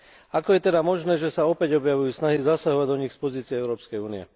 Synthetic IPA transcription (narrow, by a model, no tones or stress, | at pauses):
akɔjɛt̪ɛd̪amɔʒnɛːʒɛsaɔpɛɟɔbjaʋujuːsnaɦizasaɦɔʋaɟd̪ɔɲixspɔziːt͡siɛɛʊɾɔːpskɛjuːniɛ̰